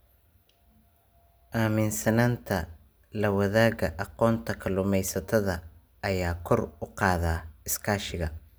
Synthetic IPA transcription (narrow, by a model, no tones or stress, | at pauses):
ʔaːmɪnsɐnaːnt̪ʰɐ | lɐwɐðaːɣɐʔɑqɔːnt̪ʰɐkʰɐlʊmɛjsɐt̪ʰɐðɐː | jaːkʰɔrʊqɑːðaːɪskʰaːʃɪɣɐ